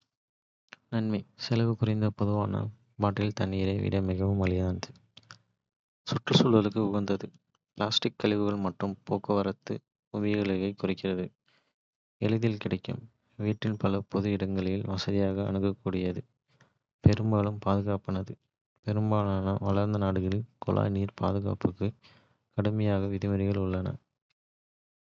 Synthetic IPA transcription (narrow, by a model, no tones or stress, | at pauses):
nɐnmɐɪsɛlɐʋɯkʊrɪnd̪ɐpɔðɯʋaːnɐ̰ | baːʈːɪlt̪ɐnːiːɾɐɪʋḭːɽɐmɪɣɐʋɯmɐlɪjaːnd̪ɯ | sʊʈrɯsʊɭɐlɯkːɯʊɣɐnd̪ɐðɯ | pɪlaːsʈɪkːɐɭɪʋɯɣɐɭmɐʈrɯmpoːkɐʋɐɾɐt̪ːɯ | ʊʋɪjɐɭɐɣɐɪkːʊrɪkːɪrɐðɯ | ɛlɯðɪlkɪɽɐɪkːɯ̰m | ʋiːʈːɪnpɐlɐpɔðɯɪɽɐŋɡɐɭɐjɪlʋɐsɐðɪjaːɣɐ̰ːɳɯkːɐkːuːɽɪjɐðɯ | pɛɾɯmbaːlɯmpaːðɯɣaːpɐnɐðɯ | pɛɾɯmbaːɭaːnɐʋɐlɐɾnd̪ɐnaːɽɯɣɐɭɪnkɔ̰lʔa̰ːniːɾpʰa̰ːðɯɣa̰ːpɯkːɯ | kɐɽɯmɐjaːɣɐʋɪðɪmɐɾɪɣɐɭʊɭːɐnɐ̰